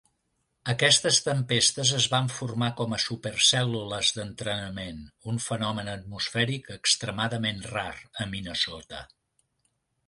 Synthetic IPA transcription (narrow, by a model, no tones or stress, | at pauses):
əkɛst̪əst̪əmpest̪əzəzβaɱfurmakɔməsupərsɛluləzðənt̪ɾənəmenuɱfənɔmənət̪̚musfɛɾikəkst̪ɾəmaðəmenraɾəminəsɔt̪ə̰